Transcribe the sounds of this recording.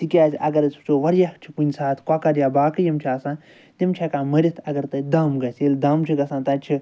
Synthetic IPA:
t̪ikʲaːzʲɐ̰ɡɐɾsʰu̥t͡ʃoːʋɐɾjakt͡ʃʰi̥kunʲsaːt̪ʰkwakɐɾjaːbaːkɐjɐmt͡ʃʰaːsãːn | t̪ʲimt͡ʃʰɐkaːmɐɾʲit̪ʰɐɡɐɾt̪ɐd̪aːmɡɐsʲelʲd̪aːmt͡ʃʰiɡɐsãːnt̪ɐt͡ʃʰi

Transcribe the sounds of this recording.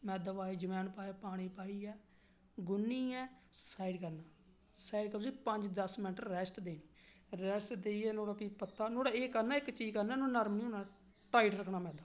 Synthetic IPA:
mɛːd̪əʋaːeːd͡ʒəmɛːnpaːjaːpaːɽ̃iːpaːiːɛː | ɡʊnːiːɛːsaːiɖkəɾnaː | saːiɖkəɾːiːpəɲd͡ʒd̪əsmɪnəʈəɾːɛːsʈd̪eːniː | ɾɛːsʈd̪eːiːɛːnoːɽaːpiːpət̪ːaːnoːɽaːeːkəɾnaːɪkt͡ʃiːzkəɾnɛːnoːnəɾmnĩːonãː | ʈaːiʈɾəkʰnaːmɛːd̪a

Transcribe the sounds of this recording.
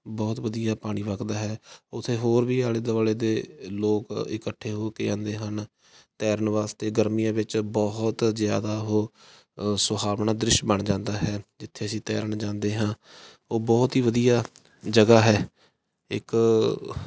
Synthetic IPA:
bɔːt̪ʋəd̪ijaːpaːɽ̃iːʋəkd̪aːɦɛːʊt̪ʰːeːɦoːɾʋiːaːleːd̪əʋaːleːd̪eːloːkɪ̰kəʈʰːeːɦoːkeːãːnd̪eːɦən | t̪ɛːɾnʋaːst̪eːɡəɾmijãːʋɪt͡ʃbɔɦt̪zɪja̰ːd̪aːɦoː | sʊɦaːʋɳaːd̪ɾɪʃbəɳd͡ʒãːnd̪aːɦɛːd͡ʒɪt̪ʰːeːəsĩːt̪ɛːɾəɳd͡ʒãːnd̪eːɦãː | oːbɔːt̪ɦiːʋəd̪ijaː | d͡ʒəɡaːɦɛː | ɪ̰k

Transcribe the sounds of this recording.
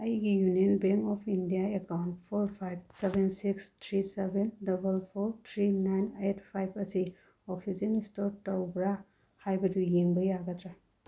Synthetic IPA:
ɐjɡijuniɔnbeŋkɔpʰindijaekawntpʰoɾpʰajb̚sebensikstʰɾisebendɐbɐlpʰoɾt̪ʰɾinajnetʰpʰajbɐsi | ɔksid͡ʒenistɔɾtɔwbɾa | hajbɐdujeŋbɐjaɡɐt̪ɾa

